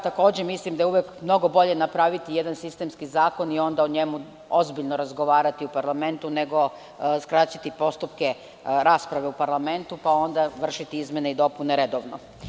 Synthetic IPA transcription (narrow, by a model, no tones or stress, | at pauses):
t̪ako̞ːd͡ʑemislimd̪ajeuʋekmno̞ɡo̞bo̞ʎe̞napɾaʋit̪ijed̪ansist̪e̞mskizaːko̞nio̞nd̪aoɲe̞mu | o̞zbiʎnoɾazɡo̞ʋaːɾat̪iupaɾlˠame̞nt̪une̞ɡo̞ | skɾat͡ɕat̪ipo̞st̪upke | ɾaːspɾaʋe̞upaɾlˠame̞nt̪upao̞nd̪aʋr̩ʃit̪iizmjeneid̪o̞puneɾed̪oʋno